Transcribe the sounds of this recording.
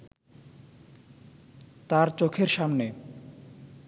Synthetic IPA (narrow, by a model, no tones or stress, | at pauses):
t̪aɾt͡ɕokʰeɾʃamne